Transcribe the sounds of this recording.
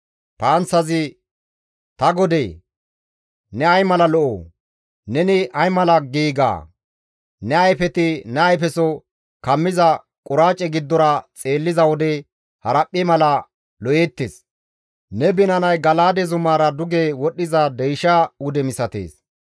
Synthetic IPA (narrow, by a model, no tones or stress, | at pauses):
paːnsɐzɪ | t̪ɐɡɔd̪eː | nɛɐjmɐlɐlɔʔo̰ː | nɛnɪʔɐjmɐlɐɡiːɡa̰ː | nɛɐjfɛt̪ɪnɛɐjfɛsɔ | kɐmːɪzɐ | kʼʊɾaːt͡ʃʼːɛɡɪd̪ːɔɾɐt͡sʼe̞ːlːɪzɐwɔd̪ɛ | hɐɾɐpʼːɪmɐlɐ | lɔʔjeːt̪ːeːs | nɛbɪnɐnɐjɡɐlaːd̪ɛzʊmaːɾɐd̪ʊɡewɔɗːɪzɐd̪ɛjʃaʊd̪ɛmɪsɐt̪ḛːs